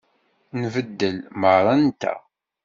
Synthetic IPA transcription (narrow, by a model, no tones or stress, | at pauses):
nvəd̪ːəlməɾˤɑnt̪æ̰